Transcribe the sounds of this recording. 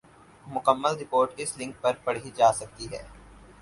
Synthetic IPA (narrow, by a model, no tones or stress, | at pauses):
mʊkəmːəlɾɪpoːɾʈɪslɪ̃ŋk̚pɐɾpɐɽid͡ʒaːsɐk̚t̪iɦɛ̰ː